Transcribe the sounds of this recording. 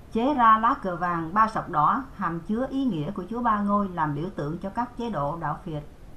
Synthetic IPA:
t͡ɕe˨˦zaː˧laː˨˦˥kɨ˨˩əvaː˨˩ŋɓaː˧sə˨˩wk͡p̚ɗɔ˨˦haː˨˩mt͡ɕɨ˨˦əʔi˨˦ŋḭ˧˥əku˧˩ət͡ɕu˨˦əɓaː˧ŋo˧jlaː˨˩mɓḭ˧˩əwt̪ɨ̰˧˨əŋt͡ɕɔ˧kaː˦˥k̚t͡ɕe˨˦ɗo̰˧˨ɗa̰ː˧˨wfi˨˩ət̚

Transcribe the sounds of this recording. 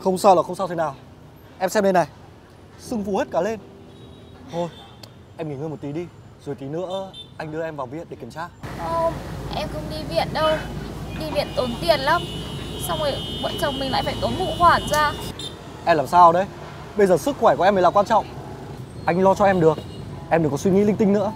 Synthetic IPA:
xə˧wŋ͡msaː˧wla˨˩xə˧wŋ͡msaː˧wt̪ʰe˨˦naː˨˩w | ʔɛ˧msɛ˧mne˧nːa˨˩j | sɨ˧ŋfu˨˦he˦˥t̚kaː˧˩le˧n | t̪ʰo˧j | ʔɛ˧mŋi˧˩ŋɨː˧jmo˨˩t̚t̪i˨˦ɗi˧ | zo˨˩jt̪i˨˦nɨ̰˧˥əʔa˧jŋ̟ɗɨ˧əʔɛ˧mvaː˨˩wvḭ˧˨ənɗe˧˩ki˧˩əmt͡ɕaː˧ʔo˧mʔɛ˧mkʊ̰˧˥ŋ͡mɗi˧vḭ˧˨ənɗə˧wɗi˧vḭ˧˨ənt̪o˨˦nt̪i˧˩ənla˨˦msa˧wŋ͡mə˨˩jɓə̰˧˨nt͡ɕə˨˩wŋ͡mmï˨˩ŋla̰ː˧˨faː˧˩jt̪o˨˦nmṵ˧˨hwaː˧˨˩nzaː˧ | ʔɛ˧mlaː˨˩msaː˧wɗə˧˦j | ɓə˧jzəː˨˩sɨ˦˥kxwɛ˧˩ku˨˩˨ɛ˧mə˨˩laː˨˩kwaː˧nt͡ɕɔ̰˧˨wŋ͡m | ʔa˧jŋ̟lɔ˧t͡ɕɔ˧ʔɛ˧mɗɨ˨˩ək̚ | ʔɛ˧mɗɨ˨˩kɔ˨˦swi˧ŋḭ˧˥lï˧ŋ̟t̪ï˧ŋ̟nɨ̰˧˥ə

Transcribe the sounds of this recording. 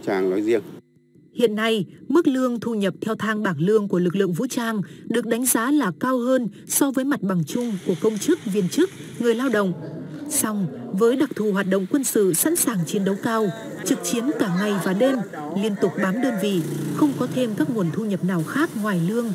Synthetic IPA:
t͡ɕaː˧˨˩ŋlɔ˨˦jzi˧əŋ | hḭ˧˨ənːa˧jmɨ˦˥k̚lɨ˧əŋt̪ʰu˧ɲə˨˩p̚t̪ʰɛ˧wt̪ʰaː˧ŋɓaː˨˩ŋlɨ˧əŋku˧˩əlɨ˨˩k̚lɨ̰˧˨əŋvṵ˧˥t͡ɕaː˧ŋɗɨ˨˩ək̚ɗa˨˦jŋ̟zaː˨˦laː˨˩kaː˧wɦəː˧n | sɔ˧vəː˨˦jma˨˩t̚ɓa˨˩ŋt͡ɕʊ˧ŋ͡mku˧˩əkə˧wŋ͡mt͡ɕɨ˦˥k̚vi˧˩ənt͡ɕɨ˦˥k̚ŋɨ˨˩əjlaː˧wɗə̰˧˨wŋ͡msa˧wŋ͡mvəː˨˦jɗa˨˩k̚t̪ʰu˨˩ɦwaː˨˩t̚ɗə̰˧˨wŋ͡mkwə˧nsɨ̰˧˨sa̰˧˥nsaː˨˩ŋt͡ɕi˨˦nɗə˨˦wkaː˧w | t͡ɕɨ˨˩k̚t͡ɕi˨˦ənkaː˧˩ŋa˨˩jvaː˨˩ɗe˧m | li˧ənt̪ʊ˨˩k͡p̚ɓaː˨˦mɗəː˧nvḭ˧˨xə˧wŋ͡mkɔ˨˦t̪ʰe˧mkaː˦˥k̚ŋu˨˩ənt̪ʰu˧ɲə˨˩p̚naː˨˩wxaː˦˥k̚ŋwaː˨˩jlɨ˧əŋ

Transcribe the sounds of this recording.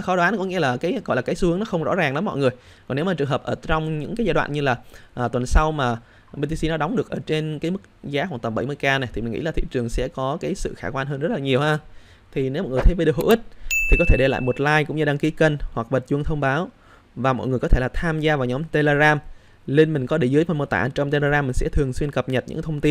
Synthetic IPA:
xɔ˨˦ɗwaː˨˦nkŋḭ˧˥laː˨˩kaː˨˦jɣɔ̰˧˨jlaː˨˩kaː˨˦jsɨ˨˦ənɔ˨˦xə˧wŋ͡mzɔ̰˧˥zaː˨˩ŋɗɔ˨˦mɔ̰˧˨ŋɨ˨˩əj | kɔ˨˩ne˨˦wmaː˨˩t͡ɕɨ˨˩əŋɦə˨˩pʔəː˧˩t͡ɕɔ˧wŋ͡mɲɨ̰˧˥ŋkaː˨˦jzaː˧jɗwa̰ː˧˨nɲɨ˧laː˨˩ʔːt̪wə˨˩nsa˧wmaː˨˩ | ɓe˧t̪i˧si˧nɔ˨˦ɗɔ˨˦wŋ͡mɗɨ˨˩əkʔəː˧˩t͡ɕe˧nkaː˨˦jmɨ˦˥k̚zaː˨˦ɦwaː˧˩nt̪ə˨˩mɓə˧˩jmɨ˧jkaː˧na˨˩jt̪ʰi˨˩m˨˩ŋḭ˧˥laː˨˩t̪ʰḭ˧˨t͡ɕɨ˨˩əŋsɛ̰˧˥kɔ˨˦kaː˨˦jsɨ̰˧˨xaː˧˩kwaː˧nɦəː˧nzə˦˥t̚laː˨˩ɲi˨˩əwhaː˧ | t̪ʰi˨˩ne˨˦wmɔ̰˧˨ŋ˨˩t̪ʰe˨˦və˧ɗkho̰˧˥ʔi˦˥t̚t̪ʰi˨˩kɔ˨˦t̪ʰe˧˩ɗe˧la̰ː˧˨jmo˨˩t̚laː˧jkʊ̰˧˥ŋ͡mɲɨ˧ɗaː˧ŋki˨˦kə˧nhwa˨˩k̚ɓə˨˩t̚zwəŋt̪ʰə˧wŋ͡mɓaː˨˦w | vaː˨˩mɔ̰˧˨ŋ˨˩əjkɔ˨˦t̪ʰe˧˩laː˨˩t̪ʰaː˧mzaː˧vaː˨˩ɲɔ˨˦mt̪e˧le˧ɣaː˧m | le˧nmï˨˩ŋ̟kɔ˨˦ɗe˧˩zɨ˨˦jmə˧nmo˨˧˩t̪a̰ː˧˩˨t͡ɕɔ˧ŋ͡mt̪e˧le˧ɣaː˧mːï˨˩ŋ̟sɛ̰˧˥t̪ʰɨ˨˩əŋswi˧ənkə˨˩p̚ɲə˨˩t̚ɲɨ̰˧˥kt̪ʰwŋ͡mt̪i˧n

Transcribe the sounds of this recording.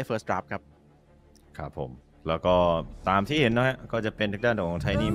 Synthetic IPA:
fəː˦˥st̪ɾa˦˥p̚kʰa˦˥p̚ | kʰa˦˥pʰːo̰˩˦m | lɛː˦˥wkɔː˥˩t̪aː˧mt̪ʰiː˥˩he˩˦nːɔ˦˥ɦɛ˦˥kɔː˥˩t͡ɕa˨˩pe˧nt̪ʰa˦˥daː˥˩nʰː˨˩˨t͡ɕ̪ʰaː˦˥jniː˥˩

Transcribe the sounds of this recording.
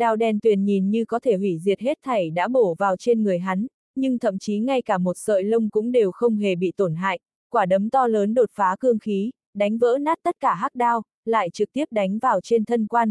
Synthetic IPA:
ɗaː˨˩wɗɛ˨˩nt̪wi˨˩ənɲi˨˩nɲɨ˧kɔ˨˦t̪ʰe˧˩hwi˧˩zi˨˩ət̚he˦˥t̚t̪ʰa˨˩jɗa̰ː˧˥ɓo˧˩vaː˨˩wt͡ɕe˧nŋɨ˨˩əjɦa˨˦n | ɲɨ˧ŋt̪ʰə̰˧˨mt͡ɕi˨˦ŋa˧jkaː˧˩mo˨˩t̚sə̰ː˧˨jlə˧wŋ͡mkʊ̰˧˥ŋ͡mɗe˨˩wxə˧wŋ͡mɦe˨˩ɓḭ˧˨t̪o˧˩nɦa̰ː˧˨jʔ | kwaː˧˩ɗə˨˦mt̪ɔ˧ləː˨˦nɗo˨˩t̚faː˨˦kɨ˧əŋxi˨˦ | ɗa˨˦jŋ̟və̰ː˧˥naː˦˥t̚t̪ə˦˥t̚kaː˧˩ɦaː˦˥k̚ɗaː˧w | la̰ː˧˨jt͡ɕɨ˨˩k̚t̪i˦˥əp̚ɗa˨˦jŋ̟vaː˨˩wt͡ɕe˧nt̪ʰə˧nkwaː˧n

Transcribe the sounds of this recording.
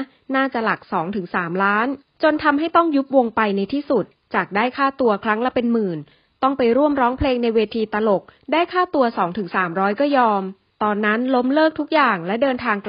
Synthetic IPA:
naː˥˩t͡ɕa˨˩la˨˩k̚sɔː˩˦ŋt̪ʰɯ˩˦ŋsaː˩˦mlaː˦˥n | t͡ɕo˧nt̪ʰa˧mɦa˥˩jt̪ɔ˥˩ŋju˦˥p̚wo˧ŋpa˧jna˧jt̪ʰiː˥˩su˨˩t̪̚t͡ɕaː˨˩k̚daː˥˩jkʰaː˥˩t̪u˧ɐkʰɾa˦˥ŋlɛ˧˥˩pe˧nmɯː˨˩n | t̪ɔ˥˩ŋpa˧jɾu˥˩əmɾɔː˦˥ŋpʰleː˧ŋna˧jweː˧t̪ʰiː˧t̪a˧lo˨˩k̚daː˥˩jkʰaː˥˩t̪u˧ɐsɔː˩˦ŋt̪ʰɯ˩˦ŋsaː˩˦mɾɔː˦˥jkɔː˥˩jɔː˧m | t̪ɔː˧nːa˦˥nlo˦˥mlɤː˥˩k̚t̪ʰu˦˥k̚jaː˨˩ŋlɛ˦˥dɤː˧nt̪ʰaː˧ŋk

